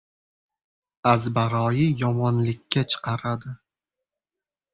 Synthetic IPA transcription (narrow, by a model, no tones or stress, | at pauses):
azbaɾɒjɪjɒmɒnlɪkʲːat͡ʃʰɨ̥qʰɑɾad̪ɪ